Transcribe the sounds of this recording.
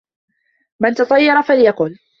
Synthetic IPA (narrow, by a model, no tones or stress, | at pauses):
mant̪ɑt̪ˤɑjːɑɾˤɑfaljaqʊl